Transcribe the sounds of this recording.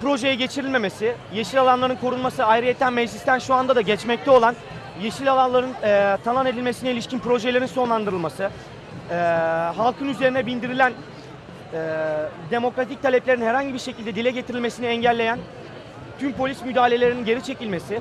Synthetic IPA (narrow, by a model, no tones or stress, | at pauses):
pɾo̞ʒe̞jɛɟet͡ʃʰiɾilʲme̞me̞sɪjeʃilʲalˠanlˠaɾɯnkʰo̞ɾunmasɯajɾɯjet̪ʰːænmɛd͡ʒlʲist̪ʰænʃuand̪ad̪aɟɛt͡ʃmɛc̚t̪ʰɛolˠan | jeʃilʲalˠanlˠaɾɯnɛt̪ʰanˠane̞d̪ilʲmesinɛilʲiʃcinpɾo̞ʒelʲeɾinso̞nlˠand̪ɯɾɯlˠmasɯ | ɛːɦalˠkʰɯnyze̞ɾinɛbild̪iɾilʲæn | ɛːd̪e̞mo̞kɾat̪ʰic̚t̪ʰalʲɛplʲeɾinhɛɾhaɲɟibiɾʃe̞cʰilʲd̪ɛd̪ilʲɛɟe̞t̪ʰiɾilʲme̞siniɛɲɟælʲːe̞jæn | t̪ʰympo̞lʲismyd̪aːlʲe̞lʲe̞ɾininɟe̞ɾit͡ʃʰe̞cilʲme̞sɪ